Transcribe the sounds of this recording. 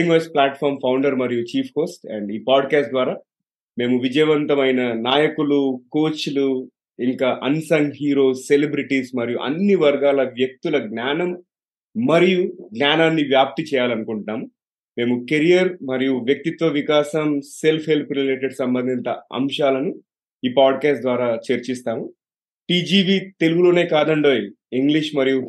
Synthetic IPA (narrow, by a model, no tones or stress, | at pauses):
iŋɡʋɐsplaːʈfʰaːɾmpʰɐwɳɖɐɾmɐɾijut͡ʃiːpʰko̞ːsʈɛ̰ɳɖiːpaːɖkaːsʈd̪ʋaːɾaː | me̞ːmuʋid͡ʒɐjʋɐnt̪ɐmɐjnɐnaːjɐkulukoːt͡ʃulu | iŋkaːʔɐnsɐŋɡɦiːɾo̞ːsːelibɾiʈismɐɾijṵʔɐ̰nːiʋɐɾɡaːlɐʋjɐk̚t̪ulɐɡnaːnɐmː | ɐɾijuɡnaːnaːnːiʋjaːp̚t̪it͡ʃɛːjaːlɐnukuɳʈaːmu | me̞ːmukeɾijɐɾmɐɾijuʋjɐk̚t̪it̪ʋɐʋikaːsɐmse̞lpʰhelpɾileːʈeɽsɐmbɐnd̪ʱint̪ɐɐ̰mʂaːlɐnu | iːpaːɖkaːsʈd̪ʋaːɾaːt͡ʃeɾt͡ʃist̪aːmu | ʈiːd͡ʒiːbiːt̪e̞luɡulo̞ːne̞ːkaːd̪ɐɳɖoːj | iŋɡliʂmɐɾiju